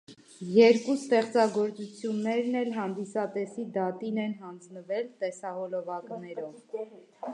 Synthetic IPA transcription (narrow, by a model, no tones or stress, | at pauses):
jɛɾkust̪ɛχt͡sɑɡɔɾt͡sut͡sʰjunːɛɾnɛlɦɑnd̪isɑt̪ɛsid̪ɑt̪inɛnɦɑnd͡znəvɛlt̪ɛsɑɦɔlɔvɑknɛɾɔv